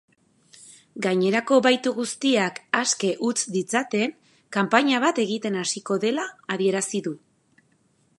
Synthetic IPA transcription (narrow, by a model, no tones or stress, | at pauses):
ɡaɲe̞ɾako̞βajt̪uɣust̪iakaske̞ʔut͡sd̪it͡sat̪e̞ŋ | kampaɲaβ̞at̪e̞ɣ̞it̪e̞nasiko̞ðe̞laːðie̞ɾasiðu